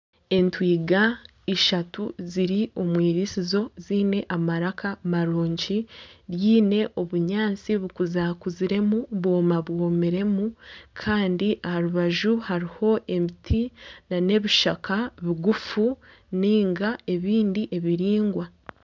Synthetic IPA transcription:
e̞ntwiːɡa | iʃatuziɾio̞mwiːɾisizo̞ziːne̞ʔamaɾakamaɾoːɲɟiɾjiːne̞ʔo̞βuɲaːnt͡siβukuzaːkuziɾe̞muβwo̞ːmaβwoːmiɾe̞mukʰaːndiʔahaɾuβaʒuhaɾiho̞e̞mitʰinane̞βiʃakʰaβiɡufu | niːŋɡae̞βiːndiʔe̞βiɾiːŋɡwa

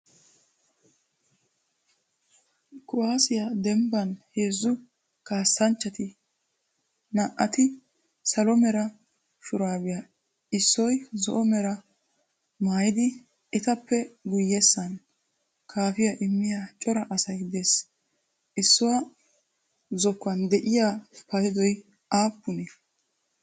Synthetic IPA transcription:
kʼʊwaːsɪjɐd̪ɛmbɐnheːzːʊ | kaːsːɐnt͡ʃːɐt̪ɪ | nɐʔːɐt̪ɪ | sɐlɔmɛɾɐ | ʃʊɾaːbɪja | ɪsːɔjzɔ̰ʔɔmɛɾɐ | maːjɪd̪ɪ | ʔɪt̪ɐpːɛɡʊjːɛsːɐn | kʰaːfɪjaʔɪmːɪjat͡ʃʼɔɾɐʔɐsɐjd̪eːs | ʔɪsːɔwɐ | zɔkːɐnd̪ɛʔɪjaːpɐjɪd̪ɔj | ʔaːpːʊnɛ

